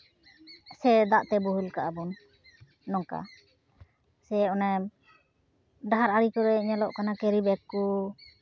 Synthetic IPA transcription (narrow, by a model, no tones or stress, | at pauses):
sɛd̪aʔt̪ɛbuɦulkaʔabɔnː | ɔŋka̰ | sɛɔnɛ | ɖaɦaɾaɾikɔɾɛiɲalɔʔkanakɛɾibɛkːu